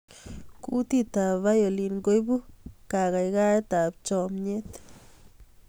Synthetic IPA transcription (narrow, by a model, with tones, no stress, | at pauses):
kṵ˦t̪i˦˧t̪a˨ba˦jo˨li˨nŋɡo˦jbu˦ka˧ɣa˧jɡa˦t̪a˨b̚t͡ʃo˨mɲe˦t̪